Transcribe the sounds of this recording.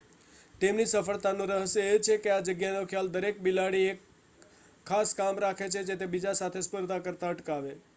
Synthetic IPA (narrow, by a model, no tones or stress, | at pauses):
t̪emnisəfəɭt̪anũɾəɦəsjəet͡ʃʰekead͡ʒəɡjanokʰjald̪əɾek̚bilaɽiekʰː | askamɾakʰet͡ʃʰed͡ʒet̪ebid͡ʒasat̪ʰespəɾd̪ʱakəɾt̪aəʈkaʋe